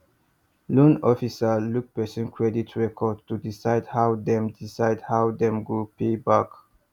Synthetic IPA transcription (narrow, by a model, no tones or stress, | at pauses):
lũnɔfisəluk̚pɛsə̃nkʰɹɛditʰɹɛkʰɔd̚tudisaɪdhawd̪ɛ̃mdisaɪdhawd̪ɛ̃mɡupebak